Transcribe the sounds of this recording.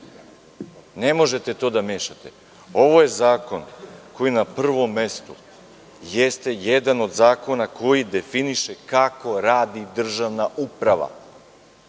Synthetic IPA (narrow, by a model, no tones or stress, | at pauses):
ne̞mo̞ʒe̞t̪e̞t̪o̞ːd̪ame̞ːʃat̪e̞ | o̞ʋo̞je̞zaːko̞nko̞jinapr̩ʋo̞mːe̞st̪u | jest̪e̞jed̪ano̞d̪zaːko̞nako̞jid̪e̞finiʃe̞kako̞ɾaːd̪id̪r̩ʒaʋnaʔupɾaʋa̰